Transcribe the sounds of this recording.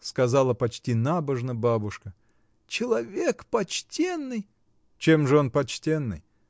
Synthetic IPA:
skɐzalˠəpɐt͡ɕtʲinabəʐnəbabʊʂkə | t͡ɕɪlˠɐvʲekpɐt͡ɕtʲenːɨj | t͡ɕe̞mʐɨo̞npɐt͡ɕtʲe̞nːɨ̰j

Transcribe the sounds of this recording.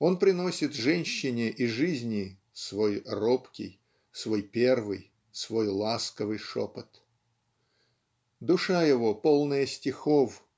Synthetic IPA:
o̞npɾʲɪno̞sʲɪt̪ʐɛnʲɕːɪnʲɪʔiʐɨzʲnʲɪ | svojropkʲɪ̰j | svo̞jpʲervɨj | svo̞jlˠaskəvɨjʂo̰pət̪ | d̪ʊʂajɪvo̞polˠnəjəsʲtʲɪxof

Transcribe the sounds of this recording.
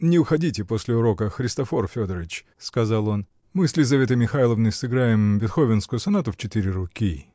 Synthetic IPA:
nʲɪʊxɐdʲitʲɪpo̞sʲlʲɪʊɾo̞kəxɾʲɪst̪ɐfo̞rfʲod̪əɾəvʲɪt͡ɕ | skɐzɑlˠo̞n | mɨsʲlʲɪzɐvʲe̞t̪ɨmʲɪxajlˠəvnɨjsɨɡɾajɪmbʲɪt̪xovʲɪnskʊjʊsɐnat̪ʊft͡ɕɪt̪iɾʲɪɾʊkʲi

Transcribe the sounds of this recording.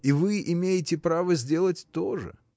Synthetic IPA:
ivɨʔɪmʲejɪtʲɪpɾavəzʲdʲe̞lˠətʲt̪o̞ʐɨ̰

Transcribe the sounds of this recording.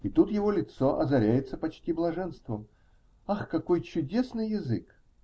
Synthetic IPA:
it̪ut̪jɪvo̞lʲɪt̪soʔɐ̰zɐɾʲæjɪt̪səpɐt͡ɕtʲiblˠɐʐɛnst̪vəm | axkɐkojt͡ɕʊdʲesnɨjːɪzɨk

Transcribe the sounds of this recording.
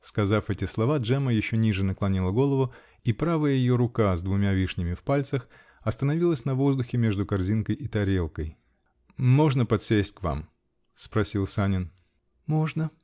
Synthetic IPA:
skɐzafɛtʲɪslˠɐvadʐɛməjɪɕːonʲiʐɨnəklˠɐnʲilˠəɡo̞lˠəvʊ | ipɾavəjəjɪjo̞ɾʊkazd̪vʊmʲavʲiʂnʲɪmʲɪfpalʲt̪səx | ɐst̪ənɐvʲilˠəsʲnɐvo̞zd̪ʊxʲɪmʲe̞ʐd̪ʊkɐrzʲinkəjʔɪt̪ɐɾʲelˠkəj | mo̞ʐnəpɐt̪sʲesʲtʲkva̰m | spɾɐsʲilˠsanʲɪn | mo̞ʐnə

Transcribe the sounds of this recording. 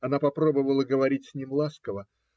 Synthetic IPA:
ɐnapɐpɾo̞bəvəlˠəɡəvɐɾʲitʲsʲnʲimlˠaskəvə

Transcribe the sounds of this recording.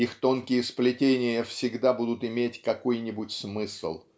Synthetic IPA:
ixt̪o̞nkʲɪjəsplʲɪtʲenʲɪjəfsʲɪɡd̪abud̪ʊt̪ɪmʲetʲkɐko̞jnʲɪbʊtʲsmɨslˠ

